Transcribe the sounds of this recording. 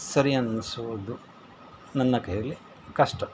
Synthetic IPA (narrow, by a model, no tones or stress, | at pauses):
sɐɾijɐnɐnisuʋud̪u | nɐnːɐkɐjɐlːi | kɐʂʈɐ